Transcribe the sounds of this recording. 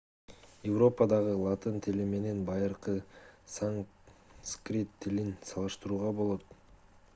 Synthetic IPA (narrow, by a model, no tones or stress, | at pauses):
jevro̞pɑd̪ɑʁəlˠɑt̪ənt̪ʰɪlɪme̞ne̞nbɑjəɾqəsaŋskrʲit̪ʰːɪlɪnsɑlˠɯʃt̪əɾuːʁɑbo̞lˠo̞t̪